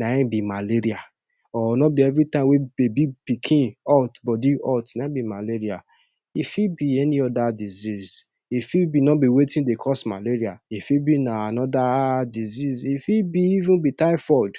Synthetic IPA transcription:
naĩbimaleɾia | ɔnɔbiɛvɾitãɪ̃mwebebipikʰĩnɔtbɔdiɔtnaĩbimaleɾia̰ | ifibiɛnĩɔdadiziz | ifibinɔbiwetĩdekʰɔsmaleɾiaifibinaanɔdadizizifibiivũnbitaɪfɔd

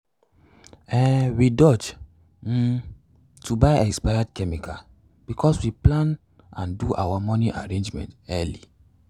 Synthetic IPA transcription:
ɛ̃widɔd͡ʒ̩ | tʰubaɪɛkspajadkɛmikʰa | b̥ikʰɔswiplãn | ã̰nduʔa̰wamɔniʔaɹẽnd͡ʒmɛ̰̃ntɛli

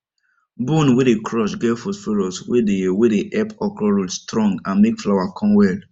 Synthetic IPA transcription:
bũnwedekʰɹɔʃɡɛfosfiɾɔswedewedeʔɛpɔkɹɔɹudstɹɔ̃ŋɡãnmekflawakʰɔ̃mwɛl

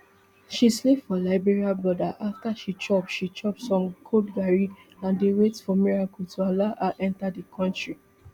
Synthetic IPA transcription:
ʃislepfɔlaɪbɛɹiabɹɔdaʔaftaʃit͡ʃɔpʃit͡ʃɔp̚sɔ̃mkʰodɡaɹĩ | ãndewetfɔmiɹakutualaʔaʔɛ̃ntadikʰɔ̃ntɹi

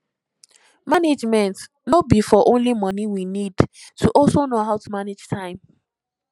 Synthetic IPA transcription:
maned͡ʒmɛ̃nt | nobifɔʔõnlimɔniwinidtʰuʔɔlsonoɦaʊtumaned͡ʒtʰãɪ̃m

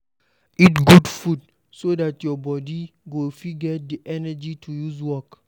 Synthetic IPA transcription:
itɡudfud | sodatjɔbɔdiɡofiɡɛt̚diʔɛnɛd͡ʒitʰujuzwɔk

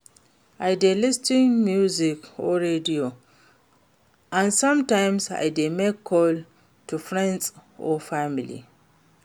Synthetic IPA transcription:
ʔajdelistĩŋmjuzikɔɹedio | ʔãnsãmtãjmsa̰jdemekʰːɔl | tufɹɛ̃nsɔfamilḭ

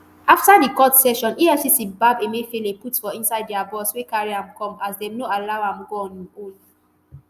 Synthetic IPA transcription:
aftadikɔtsɛʃɔ̃niɛfsisibabemefeleputfɔĩnsaɪddiabɔswekaɹiãmkɔ̃masdɛ̃mnoalawãmɡoɔ̃niol

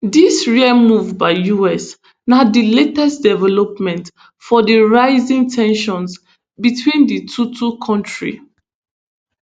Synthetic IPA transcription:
disɹiɛmuvbaɪjuɛs | nadiletɛstdɛvɛlɔpmɛ̃nt | fɔdiɹaɪzĩŋtʰɛ̃nʃɔ̃ns | bitʰwĩnditʰutʰukʰɔ̃ntɹḭ

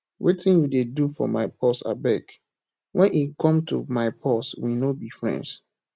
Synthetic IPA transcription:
wetɪ̃njudedufɔ̰maɪpʰɔsa̰bɛk | wɛ̃nikʰɔ̃mtʰṵmaɪpʰɔswinobifɹɛ̰̃nds

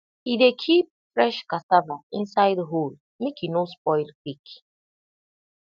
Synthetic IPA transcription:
idekʰip̚fɹɛʃkasavaĩnsaɪdɦol | mekjinospɔɪlkwik

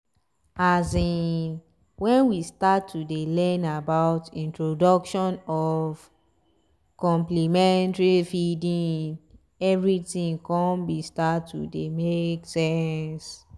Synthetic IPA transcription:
azi | wɛ̃nwistatːudelɛ̃nabaʊtĩntɹodɔkʃɔ̃nɔv | kɔ̃mplimɛ̃ntaɹifidĩn | ɛvɹitĩŋkɔ̃nbistatːṵdemeksɛns

